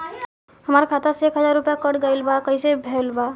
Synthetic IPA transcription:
ɦəmaɾkʰat̪asekɦəd͡ʒaɾːupjakəʈɡajlbakəjsebʱelba

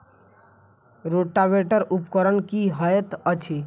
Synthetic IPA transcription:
ɾoʈːabeʈəɾupkəɾənkiɦəjt̪ət͡ʃʰi

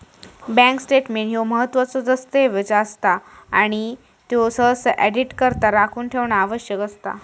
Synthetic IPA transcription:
bɛ̃ŋksʈeʈmeɳɦjoməɦət̪ːʋat͡sɔd͡zəst̪eʋəd͡zaəst̪aaɽ̃i | t̪josəsʔɛɖiʈkəɾt̪aɾakʰuːnʈʰeʋnaaʋəɕjəkəst̪a̰

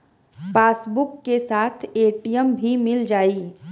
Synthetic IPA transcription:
paːsbʊkːesaːt̪ʰeːʈijəmbʱimɪld͡ʒaːiː

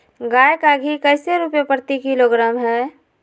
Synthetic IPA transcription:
ɡaːjkaɡʱikəɪseɾupjapəɾt̪ikiloɡɾaːmɦɛː

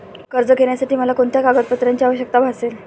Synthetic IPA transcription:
kəɾd͡zəkeɳjasaʈiːməlakoɳt̪ʰjakaɡət̪̚pət̪ɾjaɲt͡ɕiaʋəɕjək̚t̪abʱasel

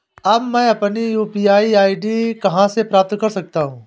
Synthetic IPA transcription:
ɐbmɛ̃ːɐpnijuːpiːaːiaːiɖikɐɦãsepɾaːp̚t̪kɐɾsɐk̚t̪aːɦũː

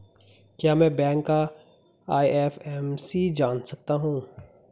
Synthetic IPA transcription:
kjaːmɛ̃ːbɛ̃ːŋkːa | aːiɛfɛmsid͡ʒaːnsɐk̚t̪aɦũː

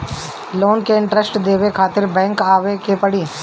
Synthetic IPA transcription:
loːnkeɪ̃ɳʈɾəsʈd̪eːʋekʰaːt̪ɪɾbɛ̃ːŋkaːʋekepɐɽiː

